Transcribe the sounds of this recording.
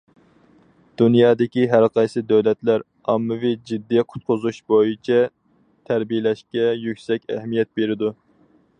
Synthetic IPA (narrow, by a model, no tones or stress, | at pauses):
d̪̥unjɑːd̪ɪkʲiɦæɾqʰɑjsɨd̪æwlɛt̪læɾ | ɑmːɨvɨd͡ʒid̪ːiqʰʊ̥t̪̚qʰʊzuʃbojit͡ʃʰɛ | t̪ʰæɾbijɪlɛʃkʲɛjykʲsɛkʲɛ̰ɦmijɛt̪̚beɾɪd̪u